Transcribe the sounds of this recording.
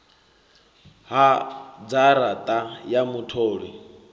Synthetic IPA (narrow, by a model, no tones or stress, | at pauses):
ɦad͡zaɾat̪ʼajamutʰoːɺi